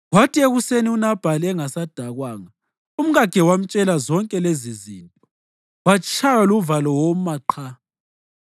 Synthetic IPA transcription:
watʰieɣuseniunab̥ʱaliɛŋasad̥ʱaɣwaːŋa | um̩ɣaɡ̥ʱɛwam̩t͡ʃʼɛlazɔŋkʼɛleziziːntʼɔ̥ | wat͡ʃʰʼajaluvalɔwɔmaǃʰa

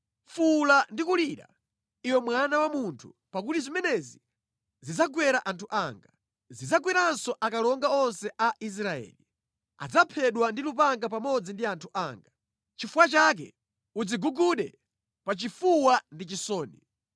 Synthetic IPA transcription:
fulandikuliːɾa̰ | iwɛmwanawamuntʰupakutizimɛnɛzi | zid͡zaɡwɛɾaʔantʰuʔaːŋɡa | zid͡zaɡwɛɾansɔʔakalɔŋɡaɔnsɛʔais̬ɾaɛ̰ːli | a̰d͡zapʰɛɗwandilupaŋɡap̬amɔd͡zindiantʰuʔaːŋɡa | t͡ʃifuwat͡ʃak̬ɛ̰ | ud͡ziɡuɡuɗɛ | pat͡ʃifuwandit͡ʃisɔːni

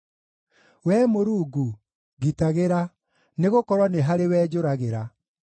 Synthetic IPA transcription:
wɛːmoɾuːɡu | ɣitaɣeɾa | neɣokɔɾwaneɦaɾewɛːd͡ʑoɾaɣeɾa

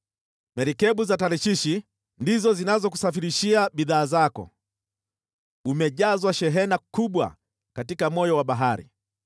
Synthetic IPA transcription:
mɛɾikɛɓuzataɾiʃiʃi | ndizɔzinazɔku̥safiɾiʃiaɓiðaːzakɔ̰ | umɛʄazwaʃɛɦɛnakuɓwa̰ | katikamɔjɔwaɓaɦaɾḭ

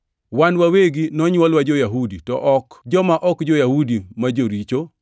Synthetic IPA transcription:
wanwaweɡinɔɲwɔlwad͡ʒojaɦuditɔ̰ʔɔkd͡ʒɔmaʔɔkd͡ʒojahudimad͡ʒoɾit͡ʃo

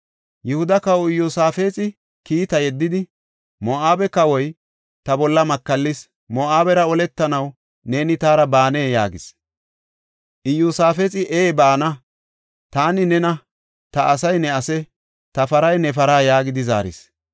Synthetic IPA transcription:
jɛhʊd̪ɐkɐwɔɪjːuːsaːfeːt͡sʼɪ | kiːt̪ɐjɛd̪ːɪd̪ɪ | mɔʔaːbɛkɐwɔj | t̪ɐbɔlːɐmɐkːɐlːɪs | mɔʔaːbɛɾɐɔlɛt̪ːɐnɐw | ne̞ːnɪt̪aːɾɐbaːne̞ːja̰ːɡɪs | ʔɪjuːsaːfeːt͡sʼɪʔeːbaːnɐ | t̪aːnɪnɛnɐ | t̪ɐʔɐsɐjnɛɐsɛ | t̪ɐfɐɾɐjnɛfɐɾaːjaːɡɪd̪ɪza̰ːɾɪ̰s

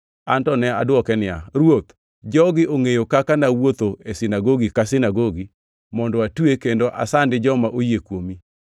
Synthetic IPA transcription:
antɔnɛa̰dwɔkɛnɪa̰ɾwot̪ | d͡ʒɔɡɪʔoŋejokakanawot̪oesɪnaɡoɡikasɪnaɡoɡi | mɔndɔatwekendoʔa̰sandɪd͡ʒɔmaʔojekwomi

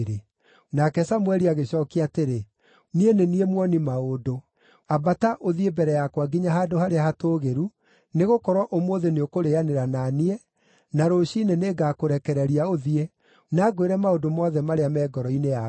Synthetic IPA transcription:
ɾe | nakɛsamwɛɾiaɣeɕɔkeateɾe | nieneniemwɔnimaodo | abataʔoðiebɛɾɛjakwaɡiɲaɦadohaɾeahatoɣeɾu | neɣokɔɾwaʔomoːðeneokoɾeaneɾananiɛ | naɾoɕineneːɡakoɾɛkɛɾɛɾiaoðie | naːɡoeɾɛmaodomɔːðɛmaɾeamɛːɡɔɾɔinea

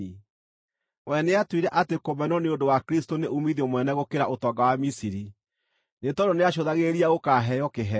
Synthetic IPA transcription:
wɛneatwiɾɛʔatekomɛnɔneondowakɾistoneʔumiðomwɛnɛɣokeɾaʔotɔːŋɡawamisiɾi | netɔdoneaɕ̬oðaɣeɾiaɣokaɦɛjɔkeɦɛ

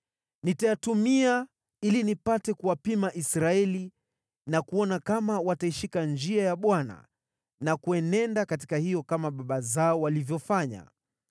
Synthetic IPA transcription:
nitajatumia | ilinipatɛkuwapimaʔisɾaɛli | nakuɔnakamawataiʃikand͡ʒiajaɓwana̰ | nakuɛnɛndakati̥kahijɔkamaɓaɓazaɔwalivjɔfaɲa̰

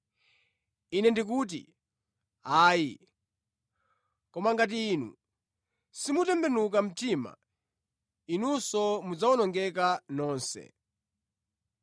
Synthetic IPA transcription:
inɛndik̬uːt̬ḭ | aːji | kɔmaŋɡat̬iːnṵ | simutɛmbɛnuk̬am̩tima̰ | inusɔmud͡zaɔnɔŋɡɛkanɔːnsɛ̰

